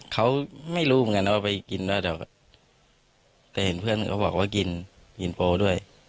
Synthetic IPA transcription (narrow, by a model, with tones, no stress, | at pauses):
kʰa˦˥wma˥˩jluː˧˥˨m˧ŋa˧nːa˧waː˧˥˩pa˧jki˧ndɔː˧˥˩dɔː˧˩ka˧˩ | t̪ɛː˨˩he˨˦npʰɯ˥˩ən˨˩kʰa˦˥wbɔː˨˩k̚waː˥˩ki˧n | ki˧npoː˧du˥˩əj